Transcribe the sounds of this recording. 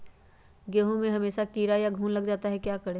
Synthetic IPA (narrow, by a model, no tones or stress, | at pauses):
ɡeːɦõmẽɦɐmeːʃakiːɾajaɡʱuːnlɐɡd͡ʒaːt̪aɦɛkjaːkɐɽeː